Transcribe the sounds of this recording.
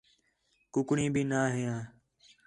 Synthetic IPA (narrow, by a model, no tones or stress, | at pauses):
kʊkɳĩːbʱiːnaːɦɪjãː